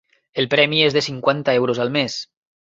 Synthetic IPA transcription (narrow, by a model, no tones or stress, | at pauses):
elpɾɛmiezðesiŋkwant̪aewɾozalmes